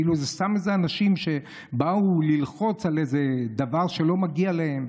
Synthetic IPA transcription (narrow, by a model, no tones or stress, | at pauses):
iluzestamezeanaʃimʃe̞ | baulilχo̞t͡salezed̪avaʁʃe̞lo̞maɡialehe̞m